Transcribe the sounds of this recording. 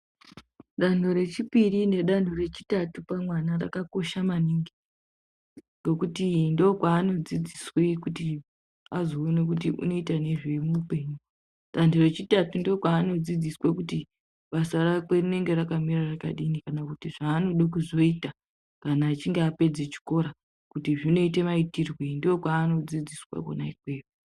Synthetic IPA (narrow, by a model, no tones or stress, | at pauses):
ɗan̤o̞ɾe̞t͡ʃipirine̞ɗan̤ore̞t͡ʃi̥tatupamwanara̰kako̞ʃamaniŋɡi | ŋɡo̞kutindo̞kwaːno̞d͡zid͡ziswe̞kuti | azo̞ːnek̬ut̬iṵno̞itane̞ʐemupe̞ːɲu | sandiret͡ʃitatundo̞kwaːno̞d͡zid͡ziswekuti | ɓasarakwe̞rine̞ŋɡe̞ɾakamiraraka̰ɗinikanakutiʐaːno̞ɗokuzo̞ita | kanaːt͡ʃiŋɡeape̞d͡zet͡ʃi̥ko̞ɾa | kutiʐino̞ite̞maitirwendokwaːno̞d͡zid͡ziswa̰ko̰naikwe̞ːru